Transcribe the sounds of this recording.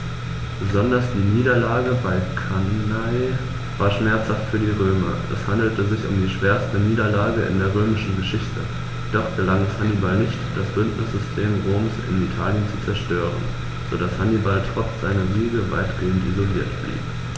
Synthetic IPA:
b̥əzɔndɐsd̥iːniːdɐlaːɡəbaɪkʰanaɪ | vaːɐʃmɛɐt͡shaftfyːɐdiːʁøːmɐ̰ʔɛ̰shandl̩təzɪçʊ̰mdiːʃv̥eːɐstəniːdɐlaːɡəʔɪ̰ndeːɐʁ̞øːmɪʃn̩ɡəʃɪçtʰə | d̥ɔχtɡ̥əlaŋɛshanibalnɪçtd̥asb̥ʏntnɪsz̥ʏstʰeːmʁoːmsɪ̰nitʰaːljənt͡su̥t͡sɛɐʃtøːʁ̞ə̰n | z̥odashanibaltʁ̥ɔt͡sz̥aɪnɐviːɡəva̰ɪtɡ̥eːəntʔizoliːɐtb̥lḭːb

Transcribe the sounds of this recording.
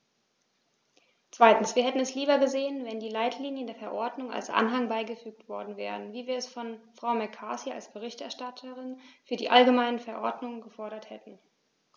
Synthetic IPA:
t͡sv̥aɪtn̩sviːɐhɛtn̩ɛsliːbɐɡəzeːənvɛndiːlaɪtʰliːnjəndeːɐfɛɐʔɔɐdnʊŋa̰lsʔa̰nɦaŋbaɪɡəfyːktv̥ɔɐdn̩vɛ̰ːʁənviːviːɐɛsfɔnfʁ̥aʊmɛɐkʰaːsia̰lsb̥əʁ̞ɪçtɛ̰ɐʃtatʰəʁɪnfyːɐdḭːʔalɡəmaɪnənfɛɐʔɔɐdnʊŋənɡəfɔɐɾɐthɛtn̩

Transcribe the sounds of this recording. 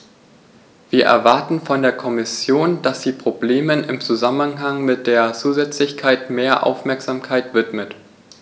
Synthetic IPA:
v̥iːɐʔɛ̰ɐvaɐtn̩fɔndeːɐkʰɔmɪsjoːnd̥asz̥iːpʁ̥obleːmənɪmt͡suzamənɦaŋmɪt̚d̥eːɐt͡suːzɛt͡slɪçkʰaɪtmeːɐʔa̰ʊfmɛɐkz̥aːmkʰaɪtv̥ɪtmət

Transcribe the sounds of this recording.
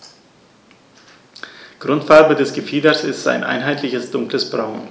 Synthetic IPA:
ɡ̥ʁʊntfaɐbədɛsɡ̥əfiːdɐsɪstz̥a̰ɪnʔa̰ɪnɦaɪtlɪçəsd̥ʊŋkləsb̥ʁaʊn

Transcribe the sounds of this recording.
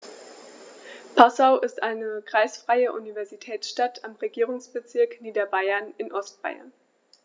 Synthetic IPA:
pʰasaʊʔɪstʔaɪnəɡ̥ʁ̥aɪsfʁ̥aɪəʔunivɛɐzitʰɛːsʃtatʰamʁeɡiːʁʊŋsb̥ət͡sɪɐkniːdɐbaɪɐnɪnʔɔstb̥a̰ɪɐ̰n

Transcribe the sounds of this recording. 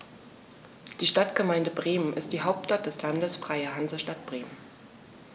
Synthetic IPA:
d̥iːʃtatɡ̥əmaɪndəbʁeːmənɪst̚d̥iːɦaʊp̚tʃtat̚d̥ɛslandəsfʁ̥aɪəɦanzɐʃtat̚b̥ʁeːmən

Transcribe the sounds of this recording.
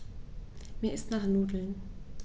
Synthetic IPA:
meːɐɪstnaːχnuːdl̩n

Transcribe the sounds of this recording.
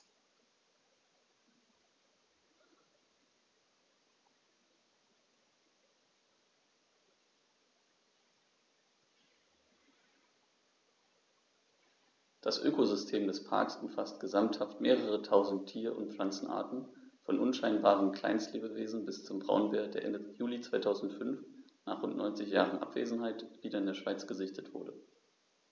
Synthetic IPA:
d̥asʔø̰ːkozʏstʰeːmdɛspʰa̰ɐksʊmfastɡ̥əzamthaftmeːʁəʁətʰaʊzn̩tʰːiːɐʔʊ̰ntp͡flant͡sn̩ʔa̰ːɐtn̩fɔnʔʊnʃaɪnbaːʁ̞əmkʰl̥a̰ɪnstleːbəveːzn̩bɪst͡sʊmbʁa̰ʊnveːɐd̥eːɐʔɛ̰ndəjuːlit͡sv̥aɪtʰaʊzn̩tfʏnf | na̰ːχʁ̥ʊntnʔɔ̰ʏnt͡sɪçjaːʁənʔa̰pv̥ḛːzn̩ɦaɪtv̥iːdɐɪndeːɐʃv̥aɪt͡sɡ̥əzɪçtətv̥ʊ̰ɐɾə

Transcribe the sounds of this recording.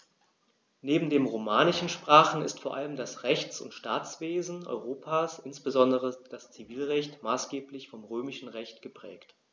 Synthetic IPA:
neːbm̩deːmʁomaːnɪʃn̩ʃpʁ̥aːχn̩ɪ̰stfoːɐʔaləmdasʁɛçt͡sʊ̰ntʃtaːt͡sv̥eːzn̩ʔɔ̰ʏʁ̞oːpʰaːsʔɪnsb̥əzɔndəʁəd̥ast͡siviːlʁɛçtmaːsɡ̥eːplɪçfɔmʁøːmɪʃn̩ʁɛçtɡ̥əpʁ̥ɛ̰ːkt

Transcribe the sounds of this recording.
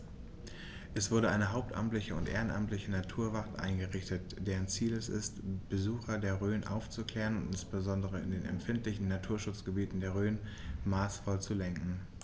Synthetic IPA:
ʔɛsv̥ʊɐɾəʔaɪnəɦaʊp̚tʔa̰mtlɪçəʊntʔeːʁənʔa̰mtlɪçənatʰuːɐvaʁtʔa̰ɪnɡəʁɪçtət | d̥eːʁ̞ənt͡siːlɛsɪ̰stb̥əzuːxɐdeːɐʁøːnʔa̰ʊft͡sukl̥ɛːʁənʊntɪnsb̥əzɔndəʁ̞əɪ̰ndeːnɛ̰mfɪntlɪçn̩natʰuːɐʃʊt͡sɡ̥əbiːtn̩deːɐʁ̞øːnmaːsfɔlt͡sulɛŋkŋ̩

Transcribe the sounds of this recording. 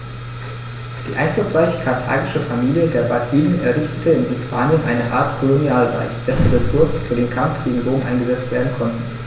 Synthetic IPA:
d̥iːʔa̰ɪnflʊsʁ̥aɪçə̥kʰaɐtʰa̰ːɡɪʃəfamiːljədeːɐbatʰiːnənɛɐʁʏstʰə̥tʰəɪnhɪspʰaːnjənʔaɪnəʔaːɐtkʰolonjaːlʁa̰ɪçd̥ɛsn̩ʁesʊɐsn̩fyːɐdeːnkʰamfɡ̥eːɡŋ̩ʁoːmʔa̰ɪnɡəzɛt͡stv̥eːɐdn̩kʰɔntn̩

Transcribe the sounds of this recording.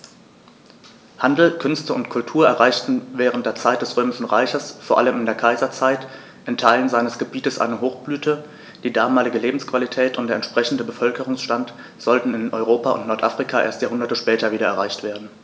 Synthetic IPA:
handl̩kʰʏnstəʊntkʰʊltʰuːɐɛɐʁaɪçtn̩vɛːʁ̞əntd̥eːɐt͡saɪt̚d̥ɛsʁ̥øːmɪʃn̩ʁaɪçɐsfoːɐʔaləmɪndeːɐkʰaɪzɐt͡saɪt | ʔɪntʰaɪlənzaɪnəsɡ̥əbiːtəsʔa̰ɪnəɦoːxb̥lyːtʰə | d̥iːdaːmaːlɪɡəleːbm̩skv̥alitʰɛːtʊntdeːɐɛnʃpʁ̥ɛçn̩dəbəfœlkəʁʊŋsʃtant | z̥ɔltn̩ɪnʔɔʏʁoːpaʊ̰ntnɔɐtʔa̰fʁ̥ikʰaʔḛːɐstjaːɦʊndɐtəʃpɛːtɐviːdɐɛ̰ɐʁaɪçtv̥eːɐdn̩

